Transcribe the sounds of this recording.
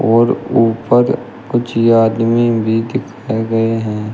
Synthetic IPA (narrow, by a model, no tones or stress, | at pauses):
ɔːɾuːpəɾ | kʊt͡ʃʰjaːd̪mẽbʱid̪ɪkʰaːeɡɐeɦɛ̃ː